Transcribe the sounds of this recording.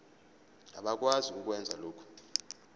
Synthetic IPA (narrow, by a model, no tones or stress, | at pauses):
a̰ɓak̬ʼwaziuk̬ʼwɛnd͡zʱaloːkʰɔ̥